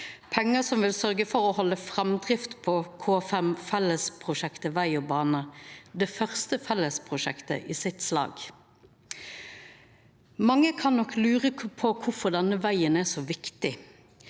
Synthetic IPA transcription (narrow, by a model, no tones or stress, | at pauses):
pʰɛŋːəsɔmʋɪlsœʁɡəfɔɾɔhɔlːəfʁɛmd̪ʁɪft̪pʰɔkʰoːfɛmfɛləspʰʁʊʃɛkt̪əʋæɪɔbɑːnəd̪ɛfœʁst̪əfɛlːəspʰʁʊʃɛkt̪ə̰ʔɪːsɪt̪slɑ̰ːɡ | mɑŋːəkʰɑnːɔklʉːʁəpʰɔkʰʊfɔʁd̪ɛnːəʋæɪənæsɔʋɪkt̪ɪ